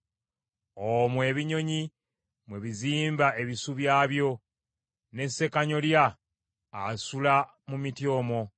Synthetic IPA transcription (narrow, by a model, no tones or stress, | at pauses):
omwe̞ːβiɲo̞ɲi | mwe̞βiziːmbae̞βisuβjaːβjo̞ | ne̞se̞kaɲo̞ljaː | sula | mumitjo̞ːmo̞